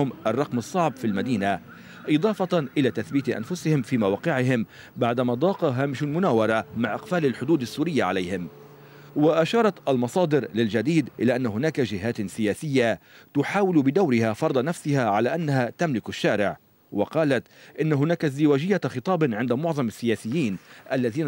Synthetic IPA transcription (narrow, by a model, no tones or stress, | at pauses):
ʊmʔɑrˤːɑqmɑsˤːɑʕbfilmad̪iːna | ʔɨd̪ˤɑːfɑt̪ʔɪlaːt̪aθbiːt̪ʔa̰nfʊsɪhɪmfiːmawaːqɪʕɪɦɪm | baʕd̪amad̪ˤɑːqɑɦaːmɪʃʊmʊnaːwɑɾˤɑmaʕʔɪqfaːlalħʊd̪uːd̪asːuːɾɪjːaʕalajhɪm | waʔaʃɑːɾˤɑt̪ʔalmɑsˤɑːd̪ɪɾlɪld͡ʒad̪iːd̪ʔɪlaːʔanːaɦʊnaːkaʒɪɦaːt̪sɪjaːsɪjːat̪ʊħaːwɪlbɪd̪awɾɪhafɑɾˤd̪ˤɑnafsɪhaʕalaːʔanːaɦat̪amlɪkaʃːaːɾɪʕ | wɑqɑːlat̪ʔɪnːaɦʊnaːkaɪzd̪ɪwaːd͡ʒɪjːaxɨt̪ˤɑːbʕɪnd̪amʊʕðˤɑmasːɪjaːsɪjːiːnʔalːaðiːn